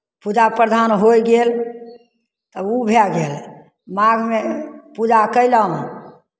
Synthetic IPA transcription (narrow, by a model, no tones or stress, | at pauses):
pud͡ʒapɾəd̪ʱanɦojɡel | t̪əubʱaɡel | maɡʱmepud͡ʒakəjlə̃